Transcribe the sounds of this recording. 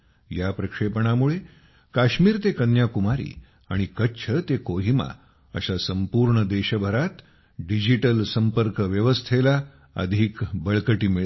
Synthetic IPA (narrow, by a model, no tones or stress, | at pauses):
japɾəkʂepəɳ̃amuɭe | kaɕmiːɾt̪ekənjakumaɾḭː | a̰ɽ̃ikətːɕʰət̪ekoɦima̰ | ə̰ɕasəmpuːɾɳəd̪eɕəbʱəɾat̪ | ɖid͡ʑiʈəlsəmpəɾkəʋjəʋəst̪ʰela | ə̰d̪ʱikbəɭkəʈiːmiɭ